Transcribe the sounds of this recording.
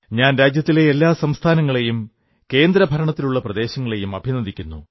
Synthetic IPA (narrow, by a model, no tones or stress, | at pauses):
ɲaːnɾaːd͡ʑjɐt̪ːile̞ːlːaːsɐmst̪ʰaːnɐŋːɐɭe̞jum | ke̞ːnd̪ɾɐbʱɐɾɐɳɐt̪ːiluɭːɐprɐd̪e̞ːɕɐŋːɐɭe̞jumɐbʱinɐd̪ikʲːunːu